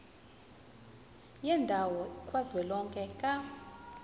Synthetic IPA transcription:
jɛndʱawɔikʼwazwɛlɔŋkʼɛkʼa

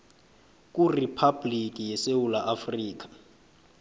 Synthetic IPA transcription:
k̬ʼuripʰab̥lik̬ʼijɛsewulaʔafriːk̬ḁ

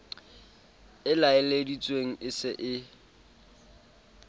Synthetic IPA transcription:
ɪlaɪledit͡sʼweŋ̩ʔɪsɪʔɪ

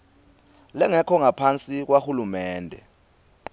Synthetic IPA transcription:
lɛŋɛkʰɔŋapʰant͡sʼik̬waxulumɛːndʱɛ̰

